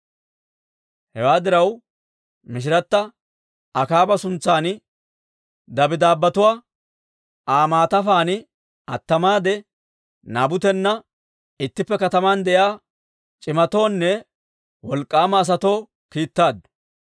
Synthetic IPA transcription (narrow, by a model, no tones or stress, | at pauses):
hɛwaːd̪ɪɾɐw | mɪʃ̬ɪɾɐt̪ːɐ | ɐkaːbɐsʊnt͡sːaːnɪ | d̪ɐbɪd̪aːbːɐt̪ʊwaː | aːmaːt̪ɐfaːnɪ | ɐt̪ːɐmaːd̪ɛ | naːbʊt̪ɛnːɐ | ɪt̪ːɪpːɛkɐt̪ɐmand̪ɛʔjaː | t͡ʃʼɪmɐt̪o̞ːnːɛ | wɔlkʼːaːmɐːs̬ɐt̪o̞ː | kiːt̪ːaːd̪